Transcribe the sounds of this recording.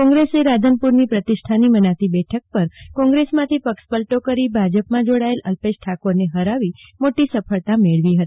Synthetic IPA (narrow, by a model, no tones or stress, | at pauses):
kɔ̃ŋɡɾeseɾad͡ʒ̪ʱənpuɾnipɾət̪ɪʃʈʰanimənat̪ibɛʈʰək̚pəɾkɔ̃ŋɡɾesmãt̪ʰipəkspəlʈokəɾibʱad͡ʒəpmãd͡ʒoɽaeləlpeʃʈʰakoɾneɦəɾaʋimoʈisəpʰəɭt̪ameɭʋiɦət̪i̥